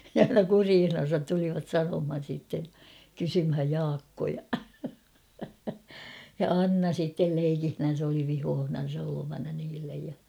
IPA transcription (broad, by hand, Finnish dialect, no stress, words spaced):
ne ɑinɑ kuriːhnɑn̞sɑt tuliʋɑt sɑnomhɑn̞ siˑtːen̞ kysymhæj jɑːkːojɑ jɑ ɑnːɑ sitːel leikihnæn̞s oli ʋihoːhnɑn̞sɑ oloʋɑnɑ niːlːej jɑ